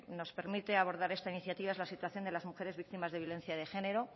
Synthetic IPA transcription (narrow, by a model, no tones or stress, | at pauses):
no̞spe̞ɾmit̪e̞aβo̞ɾðaɾe̞st̪ainiθjat̪iβaezlasit̪waθjo̞nd̪elazmuxe̞ɾe̞zβik̚t̪imazðejo̞le̞n̟θjaðe̞xe̞ne̞ɾo̞